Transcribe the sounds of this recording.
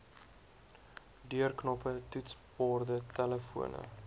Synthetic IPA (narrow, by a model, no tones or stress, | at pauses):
dyərknɔpətutspɑːrdətæləfṵənə̰